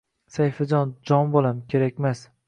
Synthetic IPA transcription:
sajfad͡ʒɒnd͡ʒɒnbolˠamkʲʰe̞ɾak̚ʲmas

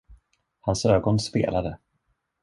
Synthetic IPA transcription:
hansøːɡɔnspḛːlad̪ə

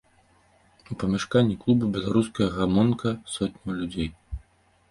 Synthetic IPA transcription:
upɐmʲɛʂkanʲːiklˠubɨbʲɛlˠaɾuskɐjɐɣamɔnkʰɐsɔt̪̚ʲnʲɐwlʲud͡zʲej

